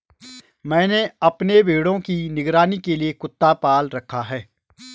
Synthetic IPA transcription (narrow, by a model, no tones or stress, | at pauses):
mɛ̃ːneɐpnebʱeːɽõkinɪɡɾaːnikeliekʊt̪ːapaːlɾɐkʰːaɦɛː